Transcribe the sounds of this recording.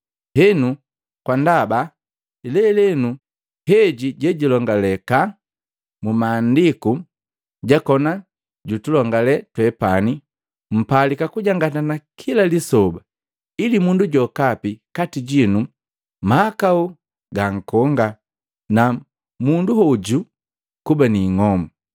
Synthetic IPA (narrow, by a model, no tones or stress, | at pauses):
hɛnu | kwandaba | lɛlɛnu | hɛɟiɟɛɟilɔŋɡalɛka | mumaːndiku | ɟakɔna | ɟutulɔŋɡalɛtwɛpani | m̩palikakuɟaŋɡatanakʰilalisɔba | ilimunduɟɔkapikatiɟinu | maakau | ɡaŋ̩kɔŋɡa | na | munduɦɔɟu | kubaniːŋɔmu